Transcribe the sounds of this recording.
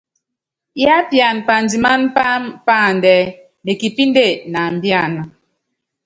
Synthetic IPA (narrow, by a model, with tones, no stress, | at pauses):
ja˦pja˨npa˨ndi˨ma˦n˦pa˦mpa˦˨ndɛ˨˦ | ne˨ki˨pi˦nde˦˨na˨m˨bja˦˨na˨